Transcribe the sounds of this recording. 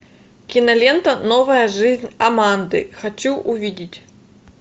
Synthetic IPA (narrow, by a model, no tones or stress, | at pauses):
kʲinɐlʲɛnt̪ɐnɔvɐjɐʐɨzʲnʲamand̪ɨ̰xat͡sʲuwʔuvʲid͡zʲit͡sʲ